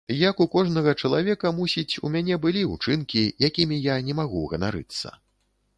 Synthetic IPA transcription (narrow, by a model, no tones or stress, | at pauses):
jɐkukɔʐnɐɣɐt͡ʂɐlˠavʲɛkɐmusʲit͡sʲṵmʲanʲɛbɨlʲiut͡ʂɨnkʲijakʲimʲijanʲɛmaɣuɣɐna̰ɾɨ̰t̪sːɐ̰